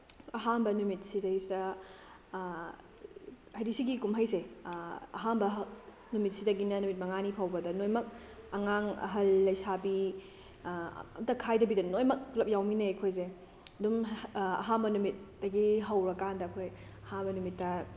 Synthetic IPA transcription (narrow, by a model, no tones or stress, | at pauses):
ɐɦanbɐnumit̚sidɐɡisidɐ | hɐjɾisiɡikumɦɐjse | ɐ̰ɦambɐ | numit̚sidɐɡinɐnumit̚mɐŋanipʰawbɐdɐnojmɐk̚ | ɐŋaŋɐ̰ɦɐlːɐjsabi | ɐ̰mtɐkʰajdɐbidɐnojmɐk̚lɐp̚jawminɐejkʰojze | ɐdumɐ̰ɦambɐnumit̚dɐɡiɦɐwɾɐkandɐːkʰoj | ɐhanbɐnumitːɐ